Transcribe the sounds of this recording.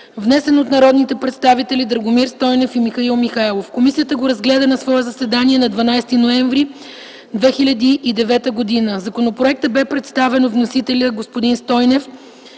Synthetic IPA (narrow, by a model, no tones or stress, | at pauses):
vnɛsɛnot̪nɐɾɔd̪nit̪ɛpɾɛt̪st̪avit̪ɛlid̪ɾɐɡomiɾst̪ɔjnɛfimixɐilˠmixaɛlˠofkomisijət̪əɡoɾɐzɡlɛd̪ɐnɐsvɔɛzɐsɛd̪aniɛnɐd̪vɐnajst̪inoɛɱvɾi | d̪vɛxilʲɐd̪iʔːd̪ɛvɛt̪əɡod̪inəzɐkonopɾoɛk̚t̪əbɛpɾɛt̪st̪avɛnovnosit̪ɛlʲəɡospod̪inst̪ɔjnɛf